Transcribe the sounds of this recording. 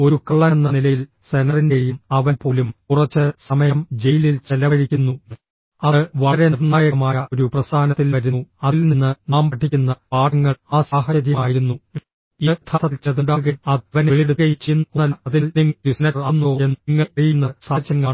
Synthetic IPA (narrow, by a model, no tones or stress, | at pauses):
o̞ɾukɐɭːɐnːɐnilɐjil | senɐrindeɻijumɐʋɐlpo̞ːlumkurɐt͡ɕːɨsɐmɐjɐmd͡ʑejililt͡ɕelːɐɐɻikʲːunːu | ɐɨʋɐɾenirnaːjɐɣɐmaːjɐoɾuprɐst̪ʰaːnɐt̪ːilʋɐɾunːuɐðilninːɨnaːmbɐʈʰːikʲːunːɐpaːɽɐŋːɐɭaːsaːɦɐɐɾjɐmaːjiɾunːu | it̪ʰat̪ʰɐlt͡ɕɐðuɳɖaːɣɐɐʋɐneɭiɽuɣɐjit͡ɕːinːnɐlɐðilniŋːdisnɐraːnːoenːŋːɐeijunːɐsaːt͡ɕːɐŋːaːɳ